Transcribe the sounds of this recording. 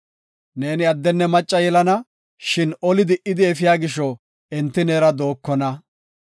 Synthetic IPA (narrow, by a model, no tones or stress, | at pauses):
ne̞ːnɪɐd̪ːɛnːɛmɐt͡ʃʼːɐjɛlɐnɐ | ʃɪnɔlɪd̪ɪʔɪd̪ɪɛfɪjaːɡɪʃɔ | ɛnt̪ːɪneːɾɐd̪o̞ːkːɔnɐ